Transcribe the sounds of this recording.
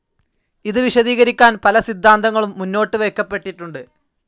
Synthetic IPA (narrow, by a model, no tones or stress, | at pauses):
iðɨʋiɕɐðiːɣɐɾikʲːaːnpɐlɐsid̪ʱːaːnd̪ɐŋːɐɭumːunːo̞ːʈːɨʋe̞ːkːɐpːe̞ʈːiʈːuɳɖɨ